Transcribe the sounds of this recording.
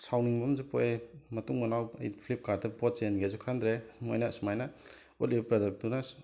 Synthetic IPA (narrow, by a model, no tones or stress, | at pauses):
sawniŋbɐmzupojemɐtuŋmɐnawɐ̰jpʰlip̚kaɾdɐpɔt̚t͡ʃenɡezukʰand̪ɾemojnasumajna | olipɾodɐk̚dunas